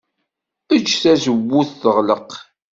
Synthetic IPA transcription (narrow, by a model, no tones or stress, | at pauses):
ət͡ʃːθæsəwːuθːəʁləq